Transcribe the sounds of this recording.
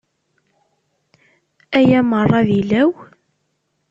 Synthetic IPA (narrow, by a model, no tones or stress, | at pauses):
æjæmərˤːɑðilæw